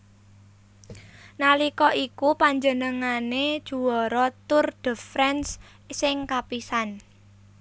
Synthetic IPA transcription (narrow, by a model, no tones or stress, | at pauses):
nalikɔʔikupaɲd͡ʒənəŋaned̥ʒ̥ṳɔɾɔt̪ʊrd̪̥ə̤fɾɛns | sɪŋkapisan